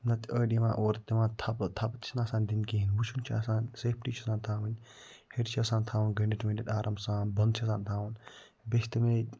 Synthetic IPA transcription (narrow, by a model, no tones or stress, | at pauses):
nɐt̪ʰʲəːɖʲiʋã̰ːʔoːɾt̪imãːnt̪ʰɐpt̪ʰɐpt̪t͡ʃʰinaːsaːnʲd̪inkiɦinwut͡ʃʰunt͡ʃʰa̰ːsaːnseːpʈiːt͡ʃʰɐsãːnt̪ʰaːʋɐnʲ | heɾt͡ʃʰiɐsãːnt̪ʰaːʋunɡɐɳɖiʈmẽnɖit̪aːɾʔɐmsaːnbɐnt͡ʃʰɐsaːnt̪ʰaːwun | best̪ime